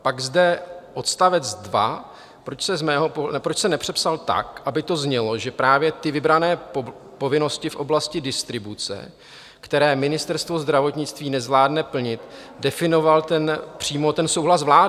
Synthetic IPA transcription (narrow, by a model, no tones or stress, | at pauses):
paɡzdɛʔo̞t̪st̪avɛt͡sdva | pɾot͡ʃsɛzmɛːɦopoɛpɾot͡ʃsɛnɛpr̝̥ɛpsalt̪a̰kʔabɪt̪o̞zɲɛlo̞ʒɛpɾaːvjɛt̪ɪvɪbɾanɛː | po̞vɪno̞scɪfʔo̞blascɪdɪst̪ɾɪbut͡sɛ̰ | kt̪ɛɾɛːmɪnɪst̪ɛɾst̪vo̞zd̪ɾavo̞t̪ɲɪt͡st̪viːnɛzvlaːdnɛpl̩ɲɪt̪ | dɛfɪno̞valt̪ɛnpr̝̥iːmo̞t̪ɛnso̞wɦlas̬vlaːɪ